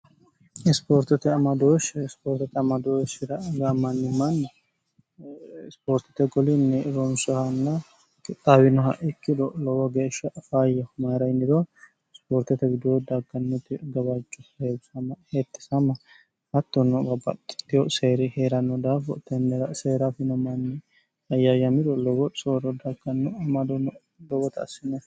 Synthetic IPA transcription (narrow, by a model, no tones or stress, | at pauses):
ɪspoːɾt̪ɛt̪ɛɐmɐd̪oʃspoːɾt̪ɛt̪ɛɐmɐd̪oʃɪɾɐɡɐmɐnːɪmɐnː | spoːɾt̪ɛt̪ɛɡɔlɪnːɛɾɔnsɔhɐnːɐ | t̪ʼawɪnɔɦɐ̰ʔɪkːɪd̪ɔlɔwɔɡeːʃɐʔfajɐhʊmɐɾɐjnɪd̪ɔ | spoːɾt̪ɛt̪ɛɡɪd̪ɔd̪aɡːɐnːɔt̪ɪɡɐbat͡ʃʼːɔheːbʊsɐmɐhet̪ːɪ̥sɐmɐ | hɐt̪ːɔnːɔbɐbɐ̰t̪ːt̪ːɪjɔseːɾɪheːɾɐnːɔd̪aːfɔ̰t̪ɛnɛɾaseːɾafɪnɐmɐnːɛ | ɐjajɐmɪd̪ɔlɔwɔsoːɾɔd̪aɡɐnːɔɐmɐd̪ɔnɔ | lɔwɔt̪ɐ̰sɪnːɛ